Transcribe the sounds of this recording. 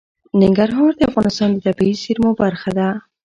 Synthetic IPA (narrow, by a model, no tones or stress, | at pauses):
nɪŋɡaɾɦɔmaɾd̪eafɣɑnɪst̪ɑnd̪id̪abaisiɾmɔbaɾxad̪a